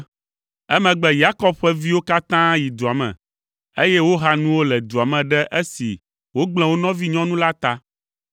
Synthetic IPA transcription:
ɛ˦mɛ̃˨ɡ͡bɛ˨ja˦kɔ˦b̚ɸɛ˦vi˦wo˦ka˦t̪ã˦ji˨d̪u˨a˨mɛ̰̃˨ | e˦jɛ˦wo˦ɦa˦nũ˦wo˦lɛ˨d̪u˨a˨mɛ̃˨ɖɛ˦ʔe˦sḭ˨ | wo˦ɡ͡bl̃ɛ̃˨wo˦nɔ̃˦vi˦ɲɔ̃˦nũ˦la˦t̪a˦

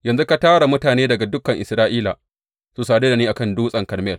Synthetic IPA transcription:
jɐ˨nzu˦ka˦taː˦ɽa˨mʊ˦taː˨neː˦dɐ˨ɡa˨dʊ˦kːɐ˨ŋʔɪ˨sɾaː˦ʔiː˦la˨ | su˨saː˨de˦da˨niː˦ʔa˨kɐ˦˨nduː˦sʼɐ˨ŋkɐ˨rmɛ˦˨l

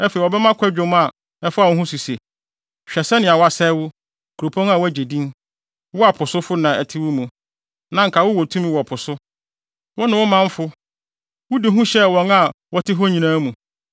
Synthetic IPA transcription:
ɛ˦fe˨ɔ˨bɛ˦mã˦kʰʷɛ˦d͡ʑᶣo˨m˦a˨ | ɛ˦fa˦˨wʊ̃˦ɦũ˦su˨se˨ | ɕᶣɛ˨sɛ˦nɪ̃˨a˨wa˨sɛ˦wʊ˦ | kʰu˨ɾo˨pʰɔ̃˦ŋ˦a˨wæ˦˨d͡ʑe˨dĩ˦n | wʊ˦a˨pʰʊ˨sʊ˦fʊ˦nã˨ɛ˨tʰɪ˦wʊ˦mũ˨ | nã˨ŋ̩˨kʰa˨wʊ˦wɔ˨tʰũ˦mĩ˦wɔ˨pʰʊ˨sʊ˦ | wɔ˦nʊ̃˨wʊ˦mã˦m˦fʊ˦ | wʊ˦di˨ɦũ˦ɕɛ˦wɔ̃˨ŋa˨wɔ˦tʰɪ˦ɦɔ˦ɲĩ˨nãː˦mũ˨

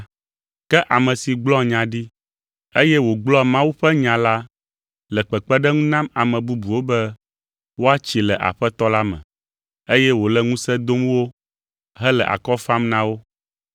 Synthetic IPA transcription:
kɛ˦ʔa˨mɛ̃˨si˨ɡ͡blɔ˦ɲã˨ɖi˦ | e˦jɛ˦wo˨ɡ͡blɔ˦˨mã˦wu˦ɸɛ˦ɲã˨la˦ | lɛ˨k͡pɛ˨k͡pɛ˦ɖɛ˦ŋũ˦nã˦ma˨mɛ̃˨bu˦bu˨wo˦bɛ˦ | wo˦a˦t͡ɕi˨lɛ˨ʔa̰˨ɸɛ˦t̪ɔ˦la˦mɛ̰̃˨ | e˦jɛ˦wo˨lɛ˦ŋũ˦sɛ˦d̪o˦m˦wo˦ | ɦɛ˦lɛ̰˨ʔa̰˨kɔ˦fa˦mnã˦wo˦

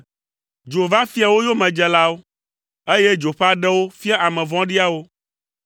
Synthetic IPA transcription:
d͡ʒo˨va˦fi˦a˨wo˦jo˦mɛ̃˨d͡ʒɛ˨la˦wo˦ | e˦je˦d͡ʒo˨ɸa˦ɖɛ˦wo˦fi˦a˦ʔa˨mɛ̃˨vɔ̃˦ɖi˦a˦wo˦

